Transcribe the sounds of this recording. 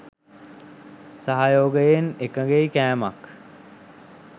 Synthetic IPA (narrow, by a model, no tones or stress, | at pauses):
saɦajoːɡəjenekəɡejkæːma̰k